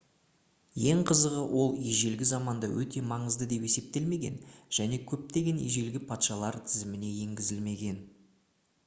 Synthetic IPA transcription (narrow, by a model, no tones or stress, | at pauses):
je̞ɴqʰəzəʁəwʔo̞lˠijʒe̞lɡʲɪzɑmɑnd̪ɑwɵt̪e̞mɑɴəzd̪əd̪e̞pe̞se̞p̚t̪e̞lme̞ɡʲe̞̰nʒ̥æne̞kʲʰɵp̚t̪eɡʲe̞nḭjʒe̞lɡʲɪpʰɑt̪ʃɑlˠɑɾt̪ʰɪzɪmɪne̞je̞ŋɡʲɪzɪlme̞ɡʲe̞n